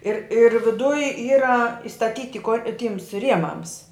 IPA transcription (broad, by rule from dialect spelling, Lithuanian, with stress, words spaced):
ɪr ɪr ʋʲɪˈdʊj ˈiːrɐ ɪstɐˈtʲiːtʲɪ koː ˈtʲiːms ˈrʲiɛmɐms